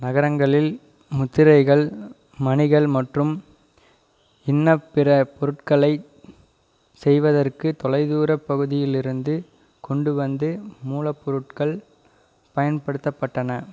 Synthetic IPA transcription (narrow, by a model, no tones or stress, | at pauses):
nɐɣɐɾɐŋɡɐɭɪl | mʊt̪ːɪɾɐɪɣɐɭ | mɐnɪɣɐɭmɐʈrɯm | ɪnːɐpːɪrɐpːɔɾɯʈkɐɭɐɪ | sɛjʋɐðɐrkɯt̪ɔlɐɪðuːɾɐpːɐɣɯðɪjɪlɪɾɯnd̪ɯ | kɔɳɖɯʋɐnd̪ɯmuːlɐpːɔɾɯʈ̚kɐɭ | pɐjɐnpɐɽɯt̪ːɐpːɐʈːɐnɐ